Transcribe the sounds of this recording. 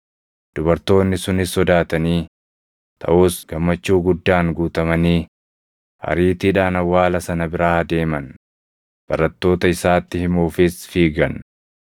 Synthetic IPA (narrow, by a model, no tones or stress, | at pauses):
d̪̥ʊbɐɾt̪o̞ːnːɪsʊnɪsɔd̪aːt̪ɐniː | t̪ʰɐ̰ʔuːsɡ̥ɐmːɐt͡ʃːuːɡʊd̪ːaːŋɡuːt̪ɐmɐniː | hɐ̰ɾiːt̪iːᶑaːnɐwːaːlɐsɐnɐbɪɾaːɐd̪e̞ːmɐn | b̥ɐɾɐt̪ːo̞ːt̪ɐɪsaːt̪ːɪhɪmuːfɪsfiːɡɐn